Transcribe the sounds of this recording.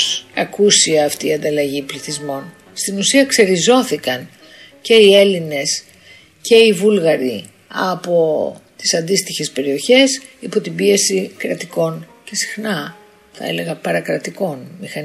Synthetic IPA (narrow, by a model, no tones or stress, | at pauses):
sɐkusiɐːft̪iːɐnd̪ɐlɐʝipliθizmo̞n | st̪inusiɐkse̞ɾizo̞θikɐn | ce̞ie̞line̞s | ce̞ivulɣɐɾi | ɐ̰po̞t̪i̥sɐnd̪ist̪içe̞spe̞ɾio̞çe̞sipo̞t̪ibie̞sikɾɐt̪iko̞nce̞si̥xnɐ | θɐ̰e̞̰le̞ɣɐpɐɾɐkɾɐt̪iko̞nmixɐn